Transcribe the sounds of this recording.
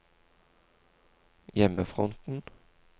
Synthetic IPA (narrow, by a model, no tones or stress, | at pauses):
jɛməfʁɔnt̪n̩